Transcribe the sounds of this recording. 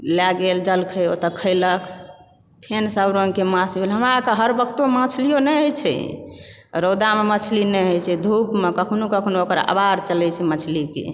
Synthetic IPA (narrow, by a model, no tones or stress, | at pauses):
laɡeld͡ʒəlkʰəot̪əkʰəɪləkʰ | pʰensabɾəŋkemãsbʱelɦəmɾakəɦəɾbəkt̪omãt͡ʃʰlijonɛɦojt͡ʃʰɛ̰ | ɾod̪amemət͡ʃʰlinɛɦojt͡ʃʰɛd̪ʱupmekəkʰnukəkʰnookəɾa̰baɾt͡ʃəlɛt͡ʃʰɛmət͡ʃʰlikḛ